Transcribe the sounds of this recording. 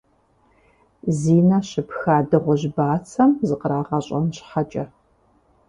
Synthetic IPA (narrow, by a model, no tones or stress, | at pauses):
ziːnɐɕɪpxaːdɨʁʷʊʑbaːt͡sʰɐmzɨqəɾaːʁɐɕʼɐmɕħat͡ʃʼɐ